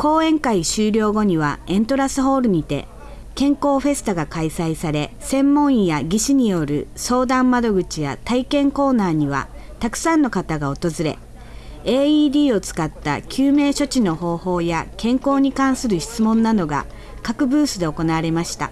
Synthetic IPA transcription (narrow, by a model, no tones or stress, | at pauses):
ko̞ːẽ̞ŋkaiɕɨːɾʲjo̞ːɡo̞ɲ̟iβ̞aẽ̞nt̪o̞ɾasɨɦo̞ːɾɯ̟ɲ̟it̪e̞̰ | kẽ̞ŋko̞ːɸe̞sɨ̥t̪aɡakaisaisaɾe̞sẽ̞mːõ̞ɰ̃ijaɡʲiɕiɲ̟ijo̞ɾɯ̟̰so̞ːd̪ãmːad̪o̞ɡɯ̟t͡ɕija̰t̪aikẽ̞ŋko̞ːnaːɲ̟iβ̞a̰ | t̪akɯ̟̥sãnːo̞kat̪aɡao̞t̪o̞zɨɾe̞̰ | eːiːd̪ʲiːo̞t͡sɨ̥kat̪ːa̰kʲʰɨːme̞ːɕo̞t͡ɕino̞ho̞ːho̞ːjakẽ̞ŋko̞ːɲ̟ikãɰ̃sɨɾɯ̟çi̥t͡sɨmõ̞nːad̪o̞ɡa̰ | kakɯ̟bɯːsɨd̪e̞o̞ko̞naβaɾe̞maɕi̥t̪a̰